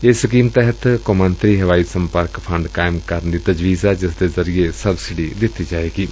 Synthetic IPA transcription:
ɪskiːmt̪ɛɦət̪komə̃nt̪ɾiɦɐʋaːisɐ̃mpəɾkpʰɐɳɖkaːɪmkɐɾnd̪it̪ɐd͡ʒʋiːzɛd͡ʒɪsd̪ezɐɾijesɐbsɪɖid̪ɪt̪id͡ʒaːeːɡiː

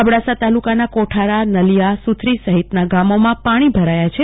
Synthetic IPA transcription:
əbɽasat̪alukanakoʈʰaɾanəlijasut̪ʰɾisəɦit̪naɡamomãpaɽ̃ibʱəɾajat͡ʃʰe

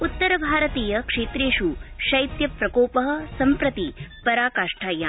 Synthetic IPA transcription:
ut̪ːɐɾɐbʱaːɾɐt̪iːjɐkʂeːt̪ɾeːʃuʃɐjt̪jɐpɾɐkoːpɐɦɐ̆sɐmpɾɐt̪ipɐɾaːkaːʂʈʰaːjaː

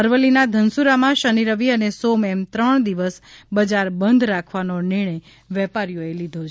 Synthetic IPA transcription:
əɾʋəlinad̪ʱənsuɾamãʃəniɾəʋiənesomɛmt̪ɾəɳ̃d̪iʋəsbəd͡ʒaɾbənd̪ʱɾakʰʋanonɪɾɳ̃əj | ʋɛpaɾijoelid̪ʱot͡ʃʰ

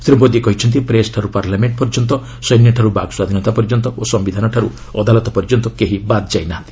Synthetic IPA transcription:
sɾibɔd̪ikɔɦit͡ʃʰɔnt̪̬ipɾesʈʰaɾupaɾlameɳʈ̚pɔɾd͡ʒɔnt̪ɔ | sɔjnjɔʈʰaɾubaɡswad̪ʱinɔt̪apɔɾd͡ʒɔnt̪ɔosɔmbid̪ʱanɔʈʰaɾu | ɔd̪alɔt̪ɔpɔɾd͡ʒɔnt̪ɔkeɦibat̪d͡ʒajnaɦnt̪i̥

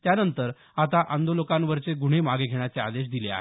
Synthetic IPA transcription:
t̪janənt̪əɾ | at̪aʔand̪olokãnʋəɾt͡seɡuɽ̤̃emaɡeɡʱeɽ̃jat͡sea̰d̪eɕ̬d̪ilea̰ɦe

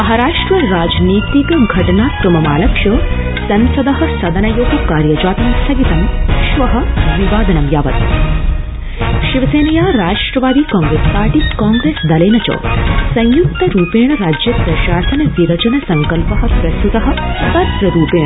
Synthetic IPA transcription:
mɐɦɐɾaːʂʈɾɐɾaːd͡ʒniːt̪ikɐɡʱɐʈɐɳaːsɾɐmɐmaːlɐkʂɐ | sɐnsɐd̪ɐɦɐ̆sɐd̪ɐnɐjoːɡɐkaːɾjɐd͡ʒaːt̪ɐnsɐɡit̪ɐnʃʋɐɦɐ̆ʋiʋaːd̪ɐnɐmjaːʋɐ̰t̪ | ʃiʋɐseːnɐjaːɾaːʂʈɾɐʋaːd̪ikaːŋɡɾeːspaːɾʈikaːŋɡɾeːsd̪ɐleːnɐt͡ʃɐ̰ːsɐ̃jjukt̪ɐɾuːpeːɳɐɾaːd͡ʒjɐpɾɐʃaːsɐnɐdiɾɐd͡ʒɐnɐsɐŋkɐlpɐɦɐpɾɐst̪ut̪ɐɦɐ̆t̪ɐd̪ɾɐɾuːpeːɳɐ

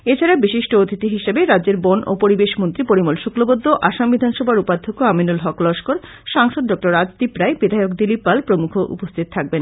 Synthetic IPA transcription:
et͡ɕʰaɾabiʃiʃʈoot̪ʰit̪iɦiʃebeɾadːd͡ʑeɾbono̰poɾibeʃmont̪ɾipoɾimolʃukɾobod̪ʱːoʔaʃambid̪ʱanʃɔbʱaɾupat̪ʰːokoaminulɦɔklɔʃkoɾ | ʃaŋʃod̪ɖɔk̚ʈoɾad͡ʑt̪ipɾaebid̪ʱaeokd̪ilipːalpɾomukʰoʔṵpost̪ʰit̪̚t̪ʰak̚ben

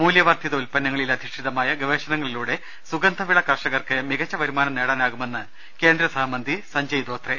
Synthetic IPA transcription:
muːljɐʋaːrt̪ʰjɐðɐulpɐnːɐŋːɐɭilɐd̪ʱiʂʈiðɐmaːjɐɡɐʋeːɕɐnɐŋːɐɭiluːɽe̞ | suɡɐnd̪ʱɐʋiɭɐkɐrʂɐɣɐrkɨmiɣɐt͡ɕːɐʋɐɾumaːnɐmneːɽaːnaːɣume̞nːɨ | ke̞ːnd̪ɾɐsɐaːmɐnd̪ʱisɐɲd͡ʑɐjid̪o̞ːt̪re

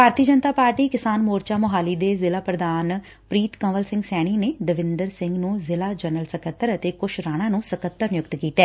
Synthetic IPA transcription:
pbʱaːɾt̪iːəd͡ʒənt̪aːpaːɾʈiːkɪsaːnmoːɾt͡ʃaːmoɦaːliːd̪eːzɪlaːpɾəd̪aːn | pɾiːt̪kə̃ʋəlsɪ̃ŋɡsɛːɽ̃iːneːd̪əʋɪnd̪əɾsɪ̃ŋɡnũːzɪlaːd͡ʒənəlsəkət̪ːəɾət̪eːkʊʃʰɾaːɽ̃ãːnũːsəkət̪ːəɾnɪjʊkt̪kiːt̪ɛː

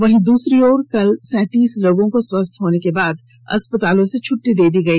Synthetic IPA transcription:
ʋɐɦĩd̪uːsɾioːɾkɐlsɛ̃ːt̪iːslɐɡõkoswɐst̪ʰɦoːnekebaːd̪ | ɐ̰spət̪aːlõset͡ʃʰʊʈːid̪eːd̪iːɡɐiː

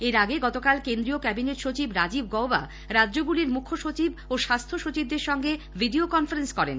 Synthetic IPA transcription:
eɾaɡeɡɔt̪okalkend̪ɾiokɛbinet̪ʃot͡ɕibɾad͡ʑib̚ɡɔwba̰ | ɾadːd͡ʑoɡuliɾmukʰːoʃot͡ɕiboʃast̪ʰoʃot͡ɕib̚d̪eɾʃɔŋɡe | bʱiɖiokɔnfaɾenskɔɾḛn

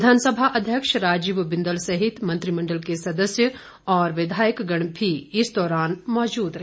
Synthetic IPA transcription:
d̪ʱaːnsəbʱaʔɐd̪ʱjəkʃɾaːd͡ʒiʋbɪ̃nd̪əlsɐɦɪt̪mɐ̃nt̪ɾimɐ̃ɳɖəlkesɐd̪əsjə | ɔːɾʋɪd̪ʱaːjəkɡɐɽ̃bʰʱiɪsd̪ɔːɾaːnmɔːd͡ʒuːd̪ɾɐ

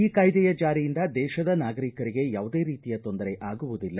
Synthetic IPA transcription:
iːkɐjd̪ɛjɐd͡ʒaːɾijind̪ɐd̪ɛːʃɐd̪ɐnaːɡɐɾikɐɾiɡe̞jaːʋud̪e̞ːɾiːt̪ijɐt̪o̞nd̪ɐɾeʔaːɡuʋud̪ilːɐ

